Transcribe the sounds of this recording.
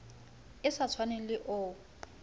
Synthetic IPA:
ɪsat͡sʰwanɛlɪʔʊː

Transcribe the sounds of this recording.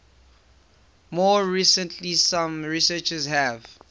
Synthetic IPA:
mɔɹisə̃ntʰlisãmɹisɛt͡ʃəzɦɛv

